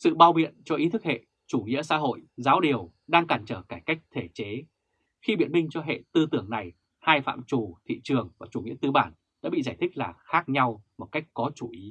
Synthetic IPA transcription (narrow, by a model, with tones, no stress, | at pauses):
sɨ̰˧˨ɓaː˧˩wɓḭ˧˨ənt͡ɕɔ˧ʔi˨˦t̪ʰɨ˦˥k̚hḛ˧˨ | t͡ɕu˧˩ŋḭ˧˥əsa̰ː˧˥ɦo̰˧˨jzaː˨˦wɗi˨˩əw | ɗaː˧ŋkaː˨˩nt͡ɕəː˧˩kaː˧˩jka˦˥jk̟̚t̪ʰe˧˩t͡ɕe˨˦ | xi˧ɓḭ˧˨ənmï˧ŋ̟t͡ɕɔ˧ɦḛ˧˨t̪ɨ˧t̪ɨ˧˩əŋna˨˩j | haː˧jfa̰ː˧˨mt͡ɕu˨˩t̪ʰḭ˧˨t͡ɕɨ˨˩əŋvaː˨˩t͡ɕu˧˩ŋḭ˧˥ət̪ɨ˧ɓaː˧˩n | ɗa̰ː˧˥ɓḭ˧˨zaː˧˩jt̪ʰï˦˥k̟̚laː˨˩xaː˦˥k̚ɲa˧wmo˨˩t̚ka˦˥jk̟̚kɔ˨˦t͡ɕu˧˩ʔi˨˦